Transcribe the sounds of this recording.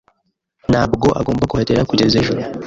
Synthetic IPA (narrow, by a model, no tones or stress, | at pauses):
naːbɡo̞ʔa̰ɡo̞ːmbakuheteɾakuɟezeʒuɾo